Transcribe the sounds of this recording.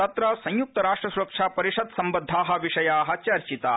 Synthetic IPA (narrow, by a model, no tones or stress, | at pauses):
ɐt̪ɾɐsɐ̃j̃juk̚t̪ɐɾaːʂʈɾɐsuɾɐkʂaːpɐɾiʂɐd̪sɐmbɐd̪ʱːaːɦɐ̆ʋiʂɐjaːɦɐt͡ʃɐɾt͡ʃit̪aː